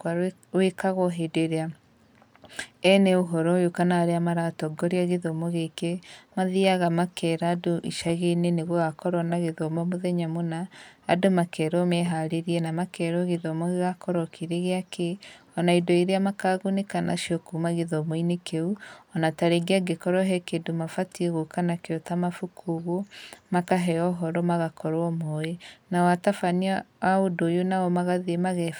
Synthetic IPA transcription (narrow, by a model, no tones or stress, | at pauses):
wekaɣɔɦedoeɾea | ɛneoɦɔɾɔjokanaaɾeamaɾatɔɡɔɾeaɣeðɔmɔɣekemaðiaɣamakʰɛɾaːdoʔḭʃaɣeneneɣwɛɣakɔɾɔnaɣeðɔmɔmoðɛɲamonaːdomakɛɾɔmɛɦaɾeɾiɛnamakɛɾɔɣeðɔmɔɣeɣakɔɾɔkʰeɾeɣeakeɔnaidoiɾeamakaɣonekana̰ʃiɔkumaɣeðɔmoinekʰeuɔnataɾeɡeaɡekɔɾɔɦɛkedomafatieɣokanakeɔtamafukʰuɣomakaɦɛɔɦɔɾɔmaɣakɔɾwɔmɔenawatafaniawaodojonawɔmaɣaðiemaɣɛ